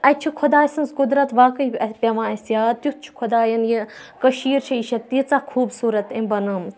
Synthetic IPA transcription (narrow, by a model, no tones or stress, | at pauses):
ɐt͡ʃʰukʰʊd̪aːsɐnskʊd̪ɾɐt̪ʋaːkəipʲɐʋãːɐsjaːd̪t̪jukt͡ʃʰu̥kʰʊd̪aːjɐnjikɐʃiːɾt͡ʃʰɐiʃɐt̪ːit͡saːkʰuːbsuːɾɐt̪ẽbɐnɐm